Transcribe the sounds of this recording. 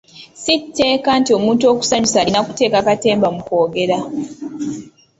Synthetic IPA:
sitʰːe̞ːkantio̞muːntuo̞ːku̥saɲusaɾinakute̞ːkakate̞ːmbamuko̞ːɡe̞ɾa

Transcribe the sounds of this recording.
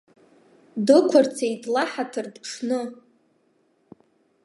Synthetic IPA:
dɨkʷʰart͡sʰejtʰlaħatʰɨrdpʈ͡ʂʰnɨ

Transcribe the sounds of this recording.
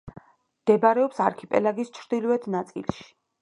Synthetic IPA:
md̪̥ɛbaɾɛɔpsaɾkʰipʼɛ̰laɡist͡ʃʰɾd̪̥ilvɛd̪nat̪sʼḭlˠʃi̥

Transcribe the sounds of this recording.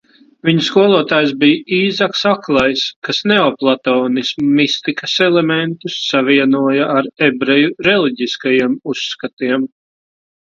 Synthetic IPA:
viɲuskuɔlˠuɔt̪aːjsbijiːzaksaklˠajskasneɔplˠat̪ɔːnismumist̪ikɐsɛlˠemɛnt̪usːaviɛnuɔjaaɾebɾejuɾɛlˠiɟiskajiɛmusːkat̪iɛm

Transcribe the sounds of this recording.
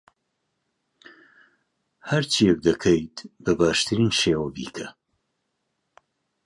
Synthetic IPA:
hɐɾt͡ʃʰijɛk̚d̪ɐkʰɐjt̪bəbɑːʃt̪ʰɨɾiːnʃeːwɐbḭːkʰɐ

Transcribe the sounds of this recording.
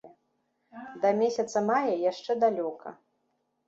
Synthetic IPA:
d̪ɐmʲesʲɐt̪sɐmajɐjaʂt͡ʂɛd̪alʲɔkʰɐ̰

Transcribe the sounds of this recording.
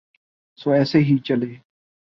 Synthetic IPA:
soːɛːseːɦiːt͡ʃəleː

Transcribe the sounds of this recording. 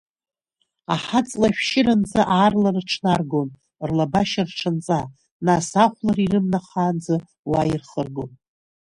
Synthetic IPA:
a̰ħat͡sʼlaʃᶣʃɪɾand͡zaʔaːrlarʈ͡ʂʰnarɡon | rlabaʃarʈ͡ʂʰant͡sʼa | nasaχʷlarirɨmnaχaːnd͡za | wairχərɡon

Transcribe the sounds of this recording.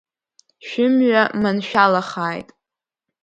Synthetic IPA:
ʃᶣɪmɥamɨnʃᶣalaχaːjtʼ

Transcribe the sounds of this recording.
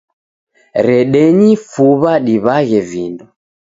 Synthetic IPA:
ɾɛɗɛɲifuβaɗiβaɣɛvindɔ

